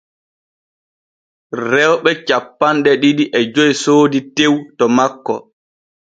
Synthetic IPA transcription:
rɛwɓɛt͡ʃapːanɗɛɗiɗiʔɛd͡ʒojsoːditewtɔmakːɔ̰

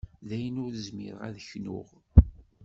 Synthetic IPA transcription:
ðæjənʊɾðəzmɪ̰ɾʁæ̰ðəçnʊ̰ʁ

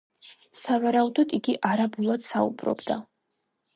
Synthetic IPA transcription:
savaɾaud̪ɔd̪iɡiʔaɾabulˠad̪̥saṵbɾɔ̰bd̪a

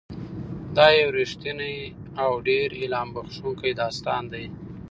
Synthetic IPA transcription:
d̪ɑjewɾɪʂt̪inaj | awɖeɾɪlɑmbaxʂuŋkajd̪ɑst̪ɑnd̪aj

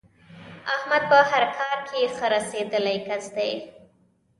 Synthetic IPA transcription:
ahmad̪̚pəhaɾkʰɑɾkʰexəɾased̪əlajkazd̪aj

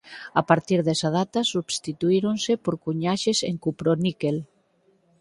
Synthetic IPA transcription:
apaɾt̪iɾðɛsað̞at̪asubst̪it̪uiɾonsepoɾkuɲaʃesḛŋkupɾonikel

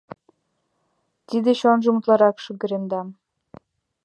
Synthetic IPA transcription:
t̪id̪eɕonʒəmut̪lɑɾɑkʃyɡɘ̆ɾemd̪ɑm

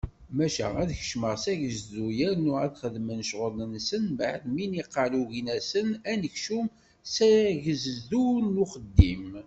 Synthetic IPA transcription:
mæʃæ̰æðçə̥ʃməʁsæʝəzðujæɾnʊʁæðχəðmənʃʁələnsənbʕðminiqːɑluʝinæsənænəçʃum | sæʝəzðuɾnuχəd̪ːim

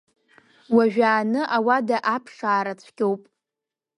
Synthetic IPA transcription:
waʒᶣaːnɨʔawadaʔapʰʂaːɾat͡sʷʰɡʲowpʼ

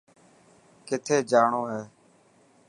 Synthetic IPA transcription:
kɪt̪ʰeːd͡ʒaːɳoːɦɛː

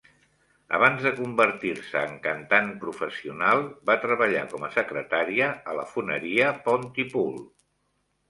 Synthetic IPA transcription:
ə̰β̞anzðəkumbərt̪iɾsəːŋkənt̪anpɾufəsiunalˠbat̪ɾəβəʎa̰kɔməsəkɾət̪aɾiəələfunəɾiəpɔnt̪ipul

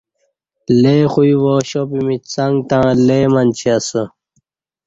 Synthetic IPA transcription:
leːxuiʋoːɕopimit͡sɐŋɡt̪ãːleːmɐnt͡ɕʰiɐsə

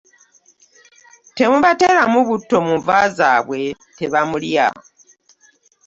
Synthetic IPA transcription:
te̞muβatelamuβutːo̞muɱvaza̰βwe̞te̞βamulija̰

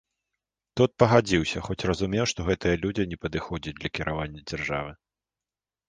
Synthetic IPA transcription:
t̪ut̪̚pɐɣad͡zʲiwsʲɐxɔt͡sʲrɐzumʲɛwʂt̪ɔɣɛt̪ɨjɐlʲud͡zʲinʲɛpɐd̪ɨxɔd͡zʲɐt͡s̚ʲd̪lʲɐkʲiɾʔavanʲːɐd͡zʲarʐa̰vɨ

